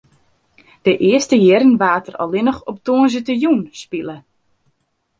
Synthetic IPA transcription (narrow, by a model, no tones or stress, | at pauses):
d̥əʔɪəstəjɪɾənʋaːtərɔ̰lɪnəxɔp̚toənzətəjunspilə